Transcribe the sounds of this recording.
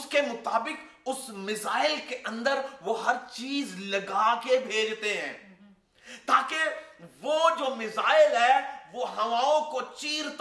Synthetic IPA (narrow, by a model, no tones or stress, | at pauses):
skemʊt̪aːbɪk | ʊsmɪzaːɪlkeʔɐ̃nd̪əɾʋoɦɐɾt͡ʃiːzlɐɡaːkebʱeːd͡ʒt̪eɦɛ̰̃ː | t̪aːkeʋoːd͡ʒoːmɪzaːɪlɦɛːʋoɦɐʋaːõkot͡ʃiːɾt̪